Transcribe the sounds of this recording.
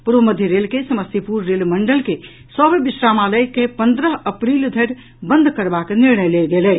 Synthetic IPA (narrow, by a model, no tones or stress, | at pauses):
puɾʋəməd̪ʱjəɾelkesəməsipuɾːelməɳɖəlke | səbbisɾamaləjkepə̃nd̪ɾəɦəpɾild̪ʱəɾ | bə̃nd̪ʱkəɾbakniɾɳəjled̪elɛ